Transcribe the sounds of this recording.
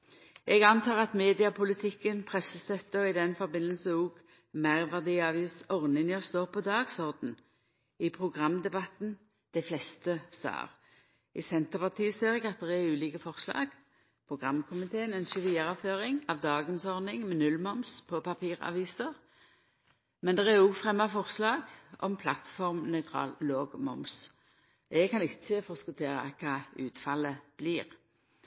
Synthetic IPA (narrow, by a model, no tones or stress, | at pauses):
ʔɛɡɑnt̪ʰɑːʁɑt̪meːd̪ɪɑpʰʊlɪt̪ʰɪkːənpʰʁɛsːəst̪œt̪ːəɔɪd̪ɛnfɔʁbɪnːəlsəuːɡ | mæɪʁʋæʁd̪iːɑʋisɔʁnɪŋjɔst̪oːʁpʰɔd̪ɑːɡsɔʁd̪n̩ | ɪpʰʁʊɡʁɑmd̪ɛbɑt̪n̩ | d̪̥ɛflɛst̪əst̪ɑ̰ːʁ | ʔɪsɛnt̪əʁpɑt̪ʰiːseːʁɪɡɑt̪̚d̪ɛʁɛʉːliːkəfɔʁslɑ̰ːɡ | pʰɾʊɡʁɑmkʰʊmɪt̪ʰeːənɛnʃʉfiːɾɑføːʁɪŋɑʋd̪ɑːɡənsɔʁnɪŋmɛnʉlmɔmspʰɔpʰɑpʰiːʁɑ̰ʋiːsəʁ | mɛnd̪ɛʁɛɾʊɡfʁɛmːɑfɔʁslɑːɡɔ̰mpʰlɑt̪fɔʁmnœʏt̪ʰʁɑ̰ːlloːɡmɔ̰ms | ɛɡkɑnɪt͡ʃːəfɔskʊt̪ʰeːʁɑ̰kʰɑːʉːt̪fɑləb̥liːʁ